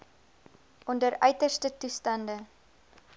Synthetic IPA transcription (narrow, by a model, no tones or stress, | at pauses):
ʔɔndəɾœɥtərstətustɐndə